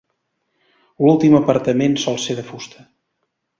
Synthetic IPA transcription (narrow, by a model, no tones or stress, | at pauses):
lulˠt̪iməpəɾt̪əmensɔlˠseðəfust̪ə